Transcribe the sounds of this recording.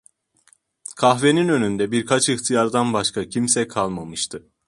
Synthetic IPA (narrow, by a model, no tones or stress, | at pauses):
kʰaxve̞ninø̞nynd̪ɛbiɾkʰat͡ʃɯxt̪ʰijaɾd̪anbaʃkʰacʰimsɛkʰalˠmamɯʃt̪ʰɯ